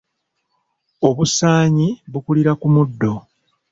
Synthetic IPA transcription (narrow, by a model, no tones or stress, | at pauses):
o̞βusaːɲiβukuliɾakumudːo̞